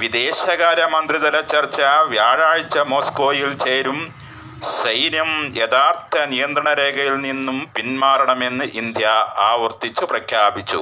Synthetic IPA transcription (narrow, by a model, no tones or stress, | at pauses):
ʋid̪e̞ːɕɐɣaːɾɐmɐnd̪riðɐlɐt͡ɕːɐrt͡ɕːɐʋjaːɻaːɻit͡ɕːɐmo̞ːsko̞ːjilt͡ɕeːɾum | ɕɐjnjɐmjed̪aːrt̪ʰɐnijɐnd̪rɐɳɐɾeːɡɐjilninːumpinmaːɾɐɳɐme̞nːɨʔind̪ʱjɐaːʋɐrt̪it͡ɕːuprɐkʰjaːbit͡ɕːṵ